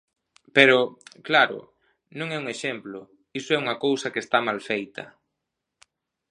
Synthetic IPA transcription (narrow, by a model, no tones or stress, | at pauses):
peɾʊklaɾʊ̰ | nõŋɛuŋeʃemplʊ | isʊɛuŋɐkowsɐkest̪amalfejt̪ɐ̰